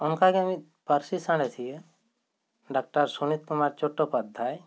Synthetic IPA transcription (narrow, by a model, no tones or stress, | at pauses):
ʊnkaɡeəmĩ | pəɾsisaɽ̃et̪ʰie | ɖaːk̚ʈəɾsunit̪̚kʊmaːɾt͡ʃoʈːopɐd̪ʱːaːj